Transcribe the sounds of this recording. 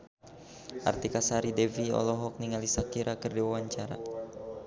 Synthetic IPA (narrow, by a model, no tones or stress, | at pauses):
ʔa̰rt̪ikasaɾidɛviɔ̰lɔɦɔk̚niŋalisakiɾʔakərdiwawaɲt͡ʃaɾa̰